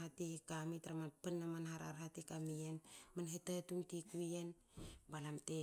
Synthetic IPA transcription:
atihikamitaɾamanpanːamanhaɾa̰ɾhatikamienmanhetatuŋtikuen | balamte

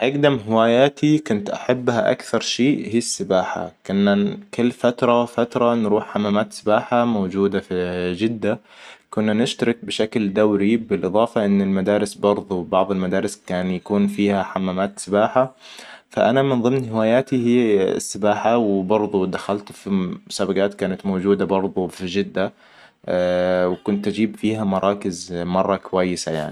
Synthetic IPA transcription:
ʔaɡd̪amɦɪwaːjaːt̪ʰikʊnt̪ʔaħabːhaʔa̰kθɑɾˤʃeːʔhiːasːɪbaːħa̰kʊnːakɪlːfat̪ɾˤɑfat̪ɾˤɑnɾuːħħamːaːmaːt̪sɪbaːħamowd͡ʒuːd̪afd͡ʒɪd̪ːa | kʊnːanɪʃt̪ɑɾɪk̚bɪʃakld̪awɾibɪlʔɨðˤɑːfɑʔɪnːɪlmad̪aːɾɪsbɑɾˤðˤuwbɑʕðˤɪlmad̪aːɾɪskaːnjakuːnfiːhaħamːaːmaːt̪sɪbaːħafa̰ʔanamɪnðˤɨmnhɪwaːjaːt̪ihɪ̰sːɪbaːħawɪbɑɾˤd̪ˤud̪axalt̪fisabaɡaːt̪kaːnat̪mowd͡ʒuːd̪abɑɾˤd̪ˤufid͡ʒɪd̪ːa | wɪkʊnt̪ʔad͡ʒiːbfiːhamɑɾˤɑːkɪzmɑrˤːɑkwajːɪsaja̰ʕni

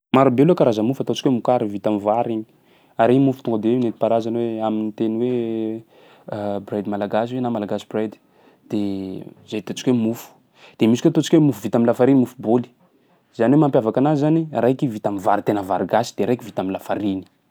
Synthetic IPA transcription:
maɾubelokaɾazəmufat̪ot͡ʃi̥kʲwemukaɾivit̪amivaɾiɲi̥ | aɾiɲmufu̥t̪uŋɡəd̪ewenet̪i̥paɾazanweaminit̪eniwe | brajd̪malaɡas̬iwenamalaɡasibrajd̪i̥ | d̪̥ezajt̪ot͡ʃi̥kwemufu̥ | d̪̥emisikʷeat̪ot͡ʃi̥kʲwemufuvit̪aminlafaɾinimufuboli̥ | z̥aniwemampjavakanazizaniɾajkivit̪amivaɾit̪enəvaɾiɡasi̥d̪̥eɾajkivit̪amilafaɾini̥

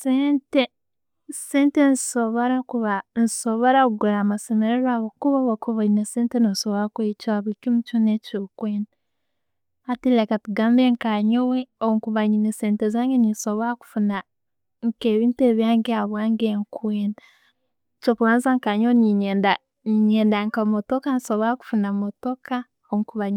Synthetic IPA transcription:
seːnte | seːntenzsoβoɾakuβanzisoβoɾakuɡuɾamasemeɾeɾwaβokuβoβokʰuβaineseːntenosoβoɾakuit͡ʃaaβikimut͡ʃunet͡ʃoːkweːna | atilekatuɡaːmbeŋkaɲoweoŋkuβaɲineseːntezaːŋɡenisoβoɾaku̥funa | ŋkeːβiːnteːβjaːŋɡeaβwaːŋɡeŋkweːnda | t͡ʃokuwaːnzaŋkaɲoweniɲeːnda | niɲeːndaŋkamotokanisoβoɾaku̥funamotoka | oŋkuβaɲi

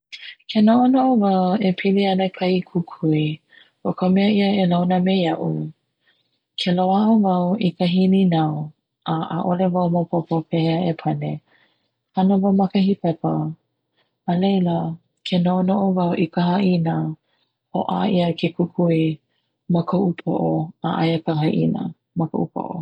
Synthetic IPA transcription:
kʰenoʔonoʔovɐwepʰiliɐnəkʰɐikʰukʰui | okʰəmɛəiəelawnəmejɐʔu | kʰelowaʔovawʔikəɦininaw | ʔaʔa̰ʔolevawmopʰopopʰɛhəepʰɐne | hɐnəvawmɐkəhipɛpə | lejlə | kʰenoʔonoʔovɐwʔikəɦaʔinə | hoʔa̰ʔiəkʰekukʰui | məkʰoʔupʰo̰ʔoaʔa̰jəkɐɦɐʔḭnə̰ | mɐko̰ʔupʰo̰ʔo̰

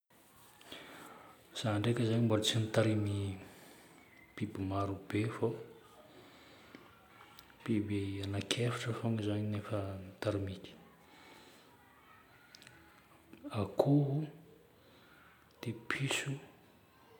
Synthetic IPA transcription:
z̥aɳɖ͡ʐekəzaɲimboɾt͡sinit̪aɾimi | pibimaɾubefo | b̥ibeanakʰefi̥ʈ͡ʂəfoŋizaɲinefənit̪aɾimikʲi̥ | akʰuɦu | d̪̥epʰisu

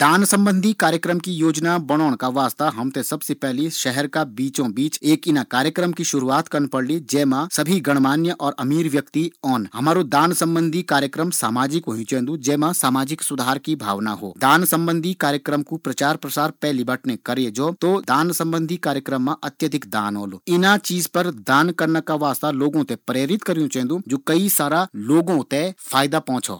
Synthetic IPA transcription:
d̪aːnsɐ̃mbə̃nd̪ʱikaːɾjəkɾəmkijoːd͡ʒnabɐɽ̃oːɽ̃kaʋaːst̪aɦɐmt̪ẽsɐbsepɛɦliʃɛɦɛɾkabiːt͡ʃõbiːt͡ʃeːkɪnakaːɾjəkɾəmkiʃʊɾuaːt̪kɐɾnpɐɽlid͡ʒɛːmãsɐbʱiɡɐɽ̃maːnjəʔɔːɾʔɐmiːɾʋjɐkt̪iɔːnɦɐmaːɾod̪aːnsɐ̃mbə̃nd̪ʱikaːɾjəkɾəmsaːmaːd͡ʒɪkɦoɦĩt͡ʃẽːnd̪ũd͡ʒɛːmãsaːmaːd͡ʒɪksʊd̪ʱaːɾkibʱa̰ːʋna̰ɦo̰ːd̪aːnsɐ̃mbə̃nd̪ʱikaːɾjəkɾəmkupɾɐt͡ʃaːɾpɾɐsaːɾpɛːɦlibɐʈʰnekɐɾed͡ʒoːt̪od̪aːnsɐ̃mbə̃nd̪ʱikaːɾjəkɾəmːãʔɐt̪jəd̪ʱɪkd̪a̰ːnɦo̰ːlo̰ːɪnat͡ʃiːzpɐɾd̪aːnkɐɾnakaʋaːst̪aloːɡõt̪epɾeːɾɪt̪kɐɾjũt͡ʃɛ̃ːnd̪ũd͡ʒoːkɐisaːɾaloːɡõt̪efʰaːjd̪apɔ̃ːt͡ʃʰo̰ː

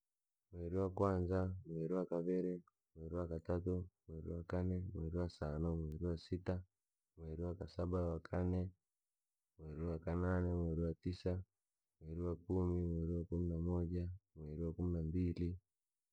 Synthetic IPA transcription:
mweɾiwakwaːnzamweɾiwakaβeɾe | mweːɾiwakatatumweɾiwakanemweɾiwasanomweɾiwasita | mweɾiwakasabawakʰane | mweɾiwakananemweɾiwatisa | mweɾiwakumimweɾiwakuminamoɟamweɾiwakuminambili

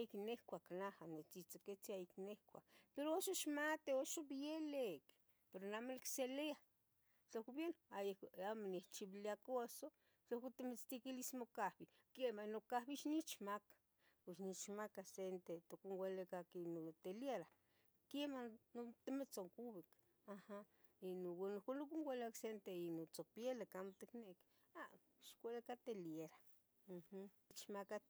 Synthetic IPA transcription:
ajiknehkʷaknahanet͡sit͡saket͡siajiknehkʷa̰kpeɾooʃoʃmat̪eoʃobjelek | peɾonamolkselea | t͡ɬokobjenoajekamoneht͡ʃiβiliakoso | t͡ɬaket̪emet͡st̪ikilismokahbi | kemanokahβiʃnit͡ʃmakḁ | puʃnit͡ʃmakasent̪et̪okuŋɡʷelekakinot̪eljeɾa | kemanot̪emet͡soŋkubik | aha | inuwenukunlokuŋɡʷeleaksent̪einut͡sopjelekamt̪ekneʔk | a | ʃkʷelekat̪eljeɾa | h | t͡ʃmakat̪

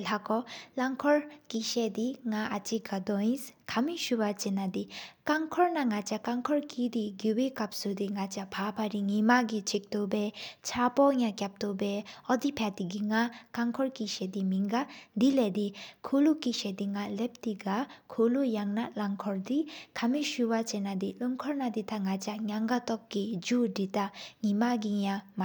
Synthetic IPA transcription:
lakɔlaŋkʰɔɾkisediŋaʔat͡ʃikadɔj̃skʰamiʃubat͡ʃinadikaŋkʰɔɾnaŋat͡ʃakaŋkʰɔɾkid̪iɡiwekap̚sudiŋat͡ʃapʰapʰaɾiŋimaɡit͡ʃʰik̚tubet͡ʃʰapɔŋakjap̚tɔbeɔdipʰatiɡiŋakaŋkʰɔɾkiʃed̪imiŋɡad̪iled̪ikʰulukiʃed̪iŋalep̚tiɡakʰulujaŋnalaŋkʰɔɾdikʰamiʃuwat͡ʃenad̪iluŋkʰɔɾnad̪it̪ʰaŋat͡ʃaŋjaŋɡatɔk̚ːid͡ʒuditaŋimaɡijama

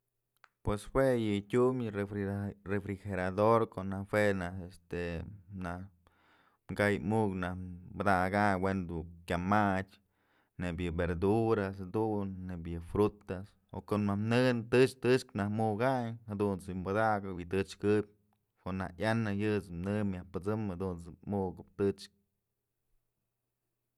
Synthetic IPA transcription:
pweswejɨtʲumjɨerefɾixeɾad̪oɾkoʔnahhwenahest̪enah | mɡajmuknahbad̪aɡawend̪ukʲamat͡ʃʲ | nebʲjɨbeɾd̪uɾasad̪unːebʲjɨfɾut̪as | okonahmnɨnt̪ɨt͡ʃt̪ɨt͡ʃknahmuɡajhad̪unt͡smad̪aɡɨwit̪ɨt͡ʃkɨb̚ʲ | koʔna̰hʔjanɨjɨt͡smnɨmjahpɨt͡sɨmhad̪unt͡sɨmuɡɨp̚t̪ɨt͡ʃk̚

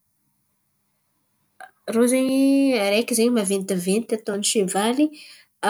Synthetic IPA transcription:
rozeɲaɾekizeɲmavend̪ivenit̪at̪oniʃevali | a

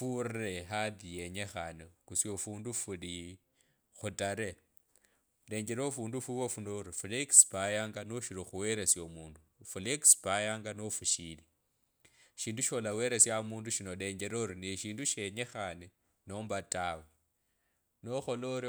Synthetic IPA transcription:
fureɦaðijeɲexanekusjofuːndufuði | xutaɾe | deːɲɡeɾofuːndufuβofunoɾifulekspajaːŋɡanoʃiɾoxuwe̞ɾesjomuːndufulekspajaːŋɡanofuʃili | ʃiːnduʃolawe̞ɾesjamuːnduʃino̞de̞ːɲɟe̞ɾoɾineʃiːnduʃeɲexane | no̞mbatawe | noxoloɾi

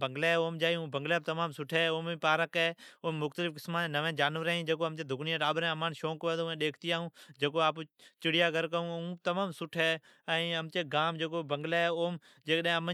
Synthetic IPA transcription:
bəŋɡleːoːmd͡ʒaːjũːbəŋɡlɛːbt̪əmaːmsʊʈʰeːoːmĩːpaːɾəkɛːoːmːʊxt̪əlɪfkɪsmãːẽːnəʋẽːd͡ʒaːnʋəɾeːĩːd͡ʒeːk̬oːɦəmt͡ʃeːd̪ʱʊkniːẽːɗaːɓɾẽːəmãːnʃoːkʋẽːt̪oẽːɗeːkʰt̪iːaːɦũːd͡ʒeːkoːaːpːt͡ʃɪɽɪjaːɡəɾkəɦũːũːt̪əmaːmsʊʈʰeː | əĩəmt͡ʃeːɡaːmd͡ʒeːk̬oːbəŋɡleːoːm | d͡ʒeːkɗaẽːəmə

